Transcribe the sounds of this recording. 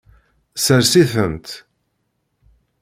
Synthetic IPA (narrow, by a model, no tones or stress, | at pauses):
səɾsiθənt̪